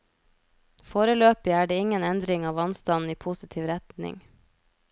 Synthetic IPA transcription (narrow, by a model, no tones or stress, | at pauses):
foːɾəløːpɪæːɖeːɪŋənɛnd̪ɾɪŋɑːʋɑnst̪ɑnn̩iːpʰusɪt̪ʰiːʋɾɛt̪nɪ̰ŋ